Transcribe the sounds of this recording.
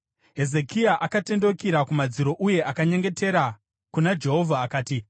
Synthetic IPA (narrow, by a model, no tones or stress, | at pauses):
ɦe̞ze̞kiaʔakate̞ndo̞kiɾakumad͡ziɾo̞ʔuje̞ʔakaɲe̞ŋɡe̞te̞ɾa | kunad͡ʒe̞ɦo̞vʱaːkaːti